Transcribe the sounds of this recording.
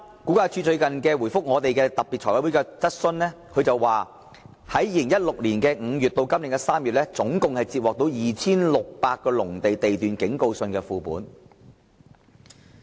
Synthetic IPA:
ku˨˥kaː˧t͡ʃʰyː˧˥t͡sɵ˧ɥkɐ˨nkɛː˧wuː˨˩fʊ˥k̚ŋɔː˨˧t̪e˨jkɛː˧t̪ɐ˨p̚pːi˨t̚tʰɔ˨˩wɐ˥wuː˨˥jkaː˧t͡sɐ˥t̚sɵ˧nnɛː˥kʰɵ˨˧ɥt͡sɐ˨wwaː˨ | hɐ˨˥jjiː˧lɪ˨˩ŋjɐ˥t̚lʊ˨k̚liː˨˩nkɛː˧ŋ̩˨˧jyː˨t̚t̪o˧wkɐ˥mlɪ˨˩ŋkɐ˧saː˥mjyː˨t̚lɛː˥t͡sʊ˨˥ŋkʊ˨ŋhɐ˨jt͡si˧p̚wɔː˨k̚t̪o˨˧˥wjiː˨t͡sʰiː˥nlʊ˨k̚paː˧t̚kːɔː˧lʊ˨˩ŋt̪e˨jt̪e˨jt̪yː˨nkɪ˨˥ŋko˧wsɵ˧nkɛː˧fuː˧pṵː˨˥n

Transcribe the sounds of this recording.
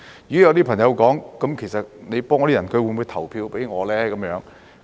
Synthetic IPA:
jyː˨˥jɐ˧wt̪i˥pʰɐ˨˩ŋjɐ˧wkɔː˨˥ŋkɐ˨˥mkʰe˨˩jsɐ˨t̚ne˨˧jpɔː˥ŋː˨˧t̪iː˥˩ɐ˨˩nkʰɵ˧ɥwu˨˧˥nmu˨˧jt̪ʰɐ˨˩wpʰiː˧wpe˨˥jŋɔː˨˧lɛː˥kɐ˨˧˥mjœː˨˥ŋ

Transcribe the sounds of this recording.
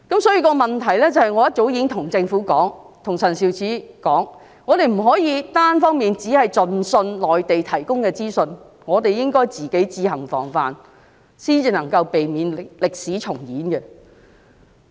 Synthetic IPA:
kɐ˨˥msɔː˨˥jiː˧kɔː˧mɐ˨nt̪ʰɐ˨˩jlɛ˥t͡sɐ˨˧hɐ˨jŋɔː˨˧jɐ˥t̚t͡so˨˥wji˨˥ŋt̪ʰʊ˨˩ŋt͡sɪ˧ŋfuː˨˥kɔː˨˥ŋt̪ʰʊ˨˩ŋsɐ˨˩nsiː˨˧wt͡sʰiː˨˥kɔː˨˥ŋ | ŋɔː˨˧t̪e˨jm̩˨˩ɦɔː˨˥jiː˨˧t̪aː˥nfɔː˥ŋmiː˨nt͡siː˨˥hɐ˨jt͡sɵ˧nsɵ˧nlɔː˨jt̪e˨jt̪ʰɐ˨˩jkʊ˥ŋkɛː˧t͡siː˥sɵ˧n | ŋɔː˨˧t̪e˨jɪ˥ŋkɔː˥jt͡siː˨ke˨˥jt͡siː˧hɐ˨˩ŋfɔ̰ː˨˩ŋfa̰ː˨n | siː˥nt͡siː˨˧nɐ˨˩ŋkɐ˧wpe˨jmiː˨˧nlɪ˨k̚siː˨˥t͡ʃʰʊ˨˩ŋjiː˨˥nkɛ˧

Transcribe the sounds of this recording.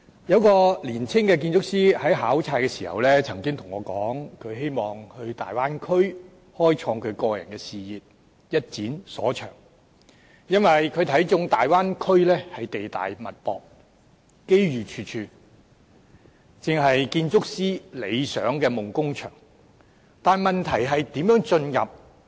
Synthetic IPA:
jɐ˨˧wkɔː˧liː˨˩nt͡sʰɪ˥ŋkɛː˧k̬i˧nt͡sʊ˥k̚siː˥hɐ˨˥jɦaː˨˥wt͡sʰaː˧jkɛ˧siː˨˩hɐ̰˨˩wlɛː˥t͡sʰɐ˨˩ŋkɪ˥ŋt̪ʰʊ˨˩ŋɔː˨˧kɔː˨˥ŋkʰɵ˨˧ɥɦe˥jmɔː˨˩ŋhɵ˧ɥt̪aː˨˩jwaː˥nkʰɵ˥ɥ | hɔː˥jt͡ʃʰɔː˧ŋkʰɵ˨˧ɥkɔː˧jɐ̰˨˩nkɛː˧siː˨jiː˨t̚ | jɐ˥t̚t͡siː˨˥nsɔː˨˥t͡ʃʰœ̰ː˨˩ŋ | jɐ˥nwɐ˨jkʰɵ˨˧ɥt̪ʰɐ˨˥jt͡sʊ˥ŋt̪aː˨jwaː˥nkʰɵ˥ɥlɛː˥hɐ˨jt̪e˨jt̪a̰ː˨jmɐ˨t̚pɔ̰ː˨k̚ | ke˥jɥyː˨t͡ʃʰyː˧t͡ʃʰyː˧ | t͡sɪ˨ŋɦɐ˨jkiː˧nt͡sʊ˥k̚siː˥le˨˧jsœː˨˥ŋkɛː˧mʊ˨˩ŋkʊ˥ŋt͡ʃʰœ̰ː˨˩ŋ | t̪aː˨nmɐ˨nt̪ʰɐ˨˩jɦɐ˨jt̪iː˨˥mjœː˨˥ŋt͡ʃɵ˧njɐ̰˨p̚

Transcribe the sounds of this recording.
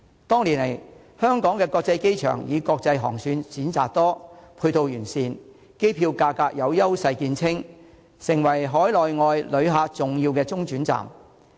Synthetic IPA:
t̪ɔː˥ŋliː˨˩nle˨˩j | hœː˥ŋkɔː˨˥ŋkɛː˧kɔː˧k̚t͡sɐ˧jke˥jt͡ʃʰœ̰ː˨˩ŋjiː˨˧kɔː˧k̚t͡sɐ˧jɦɔ̰ː˨˩ŋsyː˨˧nt͡siː˨˥nt͡sa̰ː˨k̚t̪ɔː˥pʰuː˧t̪o˧wjyː˨˩nsiː˨˧n | ke˥jpʰiː˧wkaː˧kaː˧k̚jɐ˨˧wjɐ˥wsɐ˧jkiː˧nt͡sʰɪ˥ŋ | sɪ˨˩ŋwɐ˨˩jɦɔː˨˥jlɔː˨jŋɔː˧jlɵ˨˧ɥɦaː˧t͡sʊ˨ŋjiː˧wkɛː˧t͡sʊ˥ŋt͡ʃyː˨˥nt͡sa̰ː˨˩m

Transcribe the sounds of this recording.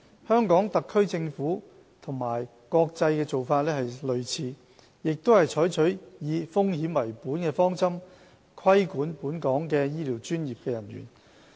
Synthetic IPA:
hœː˥ŋkɔː˨˥ŋt̪ɐ˨kʰːɵ˥ɥt͡sɪ˧ŋfuː˨˥ | t̪ʰʊ˨˩ŋmaː˨˩j | kɔː˧k̚t͡sɐ˧jkɛː˧t͡so˨wfaː˧t̚lɛː˥hɐ˨jlɵ˨ɥt͡sʰiː˨˧ | jɪ˨k̚t̪o˥whɐ˨˩jt͡ʃʰɔː˨˥jt͡ʃʰɵ˨˥ɥjiː˨˧fʊ˥ŋhiː˨˥mwɐ˨˩jpuː˨˥nkɛː˧fɔː˥ŋt͡sɐ˥m | kʰɐ˥jkuː˨˥npuː˨˥nkɔː˨˥ŋkɛː˧jiː˥liː˨˩wt͡ʃyː˥njiː˨p̚kɛː˧jɐ˨˩nɥy̰ː˨˩n

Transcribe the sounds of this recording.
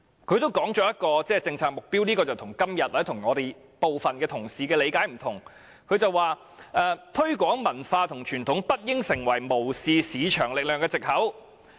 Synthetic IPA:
kʰɵ˨˧ɥt̪o˥wkɔː˨˥ŋt͡ʃɔː˧˥jɐ˥t̚kɔː˧t͡sɛː˥˩t͡sɪ˧ŋt͡sʰaː˨k̚mʊ˨k̚piː˥wniː˥kɔː˧t͡sɐ˨wt̪ʰʊ˨˩ŋkɐ˥mjɐ˨t̚waː˨˥t̪ʰŋŋɔː˨˧d̪e˨j | po˨wfɐ˨nkɛː˧t̪ʰʊ˨˩ŋsiː˨k̬ɛː˧le˨˧jkaː˨˥jm̩˨˩t̪ʰʊ˨˩ŋ | kʰɵ˨˧ɥt͡sɐ˨wːaː˨˧ | ʔɛː˨t̪ʰɵ˥ɥkʷɔː˨˥ŋmɐ˨˩nfaː˧t̪ʰʊ˨˩ŋt͡ʃʰyː˨˩nt̪ʰʊ˨˥ŋpɐ˥t̚jɪ˥ŋsɪ˨˩ŋwɐ˨˩jmo˨˩wsiː˨˧siː˨˧t͡ʃʰœː˨˩ŋlɪ˨k̚lœː˨ŋkɛː˧t͡sɪ˨k̚hɐ˨˥w

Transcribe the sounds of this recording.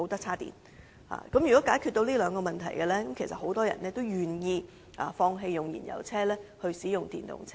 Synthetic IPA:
wt̪ɐ˥k̚t͡sʰaː˥t̪ḭː˨˩n | ha̰ː˨kɐ˨˥mjyː˨˩kɔː˨˥kaː˨˥jkʰyː˥˧t̪̚o˧wliː˥lœː˨˧ŋkɔː˧mɐ˨nt̪ʰɐ˨˩jɡɛ˧lɛː˥kɐ˨˥mkʰe˨˩jsɐ˨t̚ho˨˧˥wt̪ɔː˥jɐ̰˨˩nnɛː˥t̪o˥wjyː˨njiː˧ | ʔa̰ː˨˩fɔː˧ŋɦe˧jjʊ˨ŋjḭː˨˩njɐ̰˨˩wt͡sʰɛː˥lɛː˥hɵ˧ɥsiː˨˥jʊ˨ŋt̪ḭː˨nt̪ʊ̰˨ŋt͡sʰɛ˥

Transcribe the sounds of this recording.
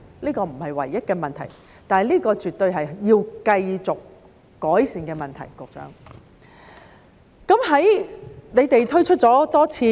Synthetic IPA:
liː˥kɔː˧m̩˨˩hɐ˨jwɐ̰˨˩jːɐ˥t̚kɛː˧mɐ˨nt̪ʰɐ̰˨˩j | t̪aː˨liː˥kɔː˧t͡ʃy˨t̪ːɵ˧ɥɦɐ˨jjiː˧wkɐ˧jt͡sʊ˨kː | ɔː˨˥jsiː˨nkɛː˧mɐ˨nt̪ʰɐ̰˨˩jkʊ˨k̚t͡sœ̰ː˨˥ŋ | kɐ˨˥mɦɐ˨˥jne˨˧jt̪e˨jt̪ʰɵ˥ɥt͡ʃʰɵ˥t̚t͡sɔː˨˥t̪ɔː˥t͡sʰiː˧

